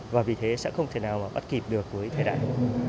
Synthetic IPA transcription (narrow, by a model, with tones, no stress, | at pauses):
vaː˨˩vi˨˩t̪ʰe˨˦sɛ̰˧˥xə˧wŋ͡mt̪ʰe˧˩naː˨˩wmaː˨˩ɓə˦˥t̚ki˨˩p̚ɗɨ˨˩əkːu˨˦əjt̪ʰe˧ɗa̰ː˧˨jɗ̰